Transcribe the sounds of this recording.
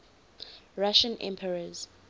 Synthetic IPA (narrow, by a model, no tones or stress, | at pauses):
ɹaʃə̃nʔɛ̰̃mpʰɛɹəz̥